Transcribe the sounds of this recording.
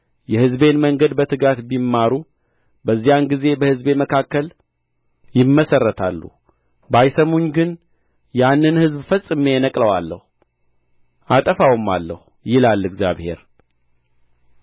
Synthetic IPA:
jɛhɨzbe̞nməŋɡəd̪bət̪ʰɨɡat̪bimːaɾu | bəzːijanɡize̞bəhɨzbe̞məkʰakːəl | jɪmːəsərːət̪ʰalːṵ | bajsəmuɲɡɨn | janːɨnhɨzbfəsʼːɨmenəkʼləwalːəhu | ʔat̪ʼəfawmːa̰lːə̰hu | jɪlalːɨɡzja̰βhḛɾ

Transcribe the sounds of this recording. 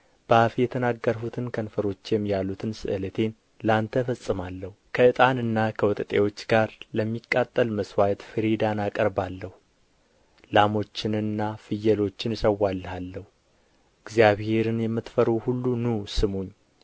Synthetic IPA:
b̥afjɛt̪ʰənaɡːəɾhut̪ʰɨnkʰənfəɾo̞t͡ʃːjɛmːjalːut̪ʰɨnsɨ̰ʔɨlət̪ʰe̞n | lant̪ʰəfəsʼːɨmalːəhukʰəʔɨt̪ʼanɨnːakʰəwɔt̪ʼət̪ʼe̞wo̞t͡ʃːɡaɾləmːikʼːat̪ʼːəlməswajt̪fɨɾid̪anakʼəɾbalːəhu | lamo̞t͡ʃːɪnɨnːafɨjːɛlo̞t͡ʃːɪnsəwːalːəhalːəhu | ɨɡzijaβhe̞ɾɨnjɛmːɨt̪fəɾuhulːunusɨmuɲː

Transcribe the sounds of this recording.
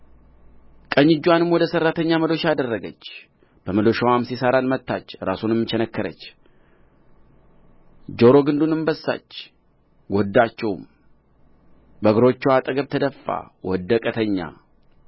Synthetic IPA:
kʼəɲːɪd͡ʒːuwanɨmwɔd̪əsərːat̪ʰəɲːaməlo̞ʃad̪ərːəɡət͡ʃː | b̥əməlo̞ʃawamsisaɾanmət̪ːat͡ʃːɾasunɛmːɨt͡ʃɛnəkːəɾə̰t͡ʃː | d͡ʒo̞ɾo̞ɡɨnd̪unɨmbəsːa̰t͡ʃː | ɡʷod̪ːat͡ʃːɛwm | bəɡɨɾo̞t͡ʃːɛwat̪ʼəɡəβt̪ʰəd̪əfːa̰wɔd̪ːəkʼət̪ʰəɲːa̰

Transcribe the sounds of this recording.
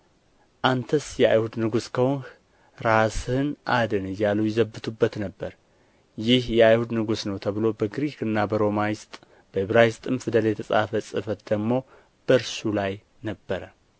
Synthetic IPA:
ʔant̪ʰəsjɛa̰jhud̪nɨɡuskʰəwonh | ɾashɨnʔad̪ɨnɨjːaləwjɛzəbːɨt̪ʰubːət̪nəbːəɾ | jɪhjɛajhud̪nɨɡusnəwt̪ʰəβɨlo̞bəɡɾikɨnːabəɾo̞majɪst̪ʼ | b̥əhɨβɾajɪst̪ʼɨmfɨd̪əljɛt̪ʰəsʼa̰fəsʼɨfət̪d̪əɡmo̞ | b̥əɾsulaj | nəbːəɾə

